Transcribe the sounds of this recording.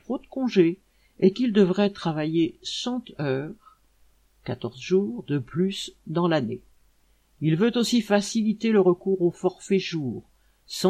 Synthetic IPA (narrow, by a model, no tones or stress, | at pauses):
t̪χod̪əkɔ̃ʒe | ɛkild̪əvʁɛt̪χavajesɑ̃t̪œːʁ | kat̪ɔʁzʒuːʁd̪əplysd̪ɑ̃lane | ilvøt̪osifasilit̪eləʁəkuʁofɔʁfɛʒuːʁ | sɑ̃